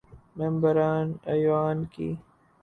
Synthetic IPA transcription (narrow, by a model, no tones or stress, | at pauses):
membɐɾaːnɐjwaːnkḭ